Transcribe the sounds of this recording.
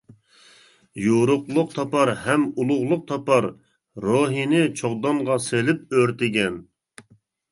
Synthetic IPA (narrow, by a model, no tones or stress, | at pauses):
joɾʊqlˠʊq̚t̪ʰɑpɑɾhɛmulˠʊʁlˠʊq̚t̪ʰɑpɑɾː | oɦinɪt͡ʃʰoʁd̪ɑmʁɑselɪp̚øɾt̪ɪɡʲɛn